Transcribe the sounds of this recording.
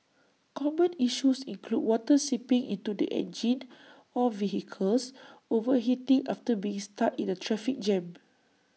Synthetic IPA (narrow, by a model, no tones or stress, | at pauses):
kʰɔmə̃niʃusĩŋkʰlud̚wɔtəsipĩŋḭ̃ntudḭʔɛ̰̃nd͡ʒĩn | ɔviɦikʰəlsovəɦitĩŋʔaftəbiĩŋstatĩnətʰɹɛfik̚d͡ʒɛ̃m